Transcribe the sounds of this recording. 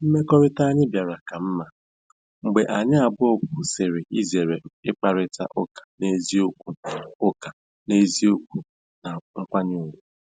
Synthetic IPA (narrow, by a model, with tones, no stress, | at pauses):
m̩˦me˦kɔ˦ɾɪ˦ta˦ɲɪ˦bja˨ɾa˨ka˨m̩˦ma˨ | ŋ͡m̩˨ɡ͡be˨ʔa˨ɲɪ˦a˨bʊ˦ɔ˦k̚ʊ˦se˨ɾe˨ʔi˦ze˨ɾe˨ɪ˦k͡pa˨ɾɪ˦ta̰˦ʔʊ˦kḁ˨ne˦zi˦o˦kʷu˦˨ʊ˦ka˨ | ne˦zi˦o˦k̚ʷu˦ | na˨ŋ̩˦kʷa˦ɲʊ˦˨wʊ˨